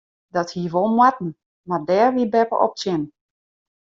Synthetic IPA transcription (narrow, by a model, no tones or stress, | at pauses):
dɔthiəʋolˠmwatn̩ | mardɛːrʋibɛpə̰ʔɔ̰p̚sjɪn